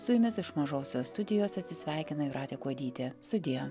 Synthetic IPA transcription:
sʊjʊmʲɪsɪʃmɐʒoːsʲoːst̪ʊd̪ʲɪjoːsɐt̪ʲsʲɪsʲʋʲæˑɪkʲɪnɐɪɾʔɑːt̪ʲeːkuɔd̪ʲiːt̪ʲɪst̪ʊd̪ʲɪjo

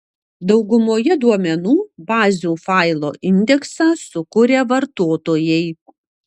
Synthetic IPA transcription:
d̪ɐʊɡʊmoːjɛd̪uɔmʲɛnuːbɑːzʲuːfɑˑɪlˠo̰ːʔɪnʲd̪ʲɛksɑːsʊkʊɾʲeːʋɐɾt̪oːt̪oːjɛɪ

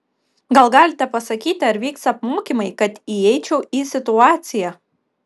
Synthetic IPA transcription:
ɡɐlˠɡɑːlʲɪt̪ʲɛpɐsɐkʲiːt̪ʲɪɐɾʋʲiːksɐpmoːkʲiːmɐɪkɐt̪iɛɪt͡ʃʲɛʊʔiːsʲɪt̪ʊɑːt̪sʲɪjæ

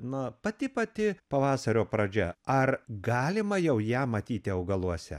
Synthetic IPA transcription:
nʊpɐt̪ʲɪpɐt̪ʲɪpɐʋɑːsɐɾʲoːpɾɐd͡ʒʲɛɐrɡɑːlʲɪmɐjɛʊjæːmɐt̪ʲiːt̪ʲɪɐʊɡɐlˠuɔsʲɛ̰

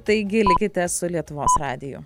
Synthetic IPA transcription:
t̪ɐɪɡʲɪlʲɪkʲɪt̪ʲɛsʊlʲiɛt̪ʊʋoːsrɑːd̪ʲɪjʊ̰

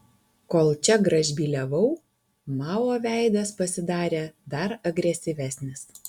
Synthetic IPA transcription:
koːlˠt͡ʃʲɛɡɾɐʒʲbʲiːlʲɛʋɐʊ | mɑːoːʋʲæˑɪd̪ɐspɐsʲɪd̪ɑːɾʲeːd̪ɐɾɐɡɾʲɛsʲɪʋʲæsʲnʲɪs

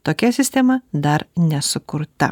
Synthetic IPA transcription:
t̪oːkʲɛsʲɪsʲt̪ʲɛmɐd̪ɐɾnʲɛsʊkʊɾt̪ɐ̰

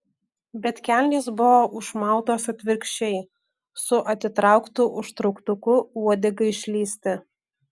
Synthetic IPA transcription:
bʲɛt̪ʲkʲælʲlʲiːsbʊʋoːʔʊʃmɑˑʊt̪oːsɐt̪ʲʋʲɪɾʲkʃʲt͡ʃʲɛɪ | sʊʔɐt̪ʲɪt̪ɾɑˑʊkt̪uːʔʊʃt̪ɾɔʊkt̪ʊkʊuɔd̪ʲɪɡɐɪɪʃʲlʲiːsʲt̪ʲɪ

